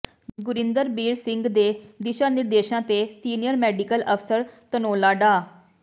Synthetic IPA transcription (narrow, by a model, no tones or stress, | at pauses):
ɡʊɾɪnd̪əɾbiːɾsɪŋɡd̪eːd̪ɪʃaːnɪɾd̪eːʃãːt̪eːsiːnɪjəɾmɛːɖikəlʔəpʰsəɾt̪ənoːlaːɖaː